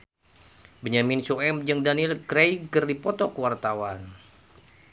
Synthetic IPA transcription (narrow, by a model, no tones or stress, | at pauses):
bəɲaminsuɛmd͡ʒəŋdanilkɾejɡərdipɔt̪ɔkəwart̪awan